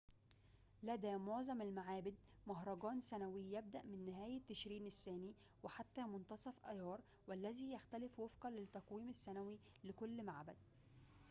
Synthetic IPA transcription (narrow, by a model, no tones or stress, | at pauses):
læd̪æːmoʕzˤɑmɪlmaʕaːbɪd̪̚ | mʊɦɾˤɑɡɑːnsænæwijæb̚d̪æʔmɪnːɪɦæːjɪt̪ːɪʃɾiːnɪsːæːniː | wɪħat̪ːæːmʊnt̪ɑsˤɑfʔæjɑːɾˤ | wælːæziːjæxt̪ælɪfwefqɑlɪt̪ːɑqwiːmɪsːænæwi | lɪkʊlːmaʕbæ̰d̪̚